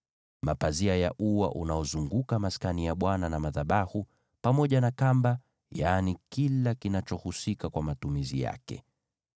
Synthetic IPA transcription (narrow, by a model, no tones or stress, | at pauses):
mapaziaja̰ʔuwa̰ʔunaɔzuŋɡukamaskanijaɓwananamaðaɓahu | pamɔʄanakamba | jaːnikilakinat͡ʃɔhusikakwamatumizḭja̰kɛ̰